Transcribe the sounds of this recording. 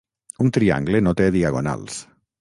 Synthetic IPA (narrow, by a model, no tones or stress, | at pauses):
unt̪ɾia̰ŋɡlenot̪eðiaɣona̰ls